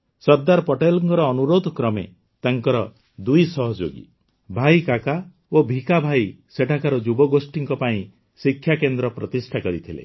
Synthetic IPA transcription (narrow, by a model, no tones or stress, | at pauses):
sɔɾd̪aɾpɔʈelɔŋkɔɾɔːnuɾod̪ʱɔkɾɔmḛ | t̪aŋkɔɾɔ | d̪ujsɔɦɔd͡ʒo̰ɡḭ | bʱajkaka | obʱikabʱaj | seʈʰakaɾɔd͡ʒubɔɡosʈiŋkɔpaĩ | sikʰːjakend̪ɾɔpɾɔt̪isʈʰakɔɾit̪ʰilḛ